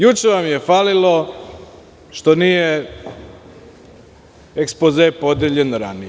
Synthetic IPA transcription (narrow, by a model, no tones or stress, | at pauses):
jut͡ʃeʋamje̞faːlilo̞ | ʃt̪o̞nije | ekspozepod̪eʎenɾa̰ni